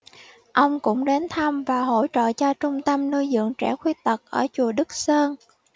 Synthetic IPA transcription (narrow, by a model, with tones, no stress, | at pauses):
ʔə˧wŋ͡mkʊ̰˧˥ŋ͡mɗe˨˦nt̪ʰa˧mvaː˨˩ɦo̰˧˥jt͡ɕə̰˧˨t͡ɕɔ˧t͡ɕʊ˧ŋ͡mt̪ə˧mnu˧jzɨ̰˧˨əŋt͡ɕɛ˧˩xwi˧˥t̪ə˨˩k̚ʔəː˧˩t͡ɕu˨˩əɗɨ˦˥k̚səː˧n